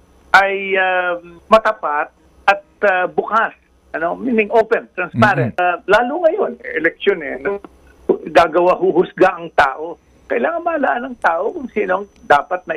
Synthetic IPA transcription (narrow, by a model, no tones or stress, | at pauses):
ʔɐjamɐt̪ɐpat̪̚ | ʔɐt̪̚ɐbʊkas | ʔɐno̞miːnɪŋʔopɛnt̪ɾɐnspaɾɛnt̪laːlʊŋɐjo̞nɛʔɛlɛk̚ʃonɛnɐ | hɡaːɡɐwaɦʊhʊsɡaʔɐŋt̪a̰ːʔo̞ | kɐʔɪlaːŋɐnmɐɐlɐʔanɐŋt̪aːʔo̞kʊŋsiːnoŋd̪aːpɐt̪̚nɐ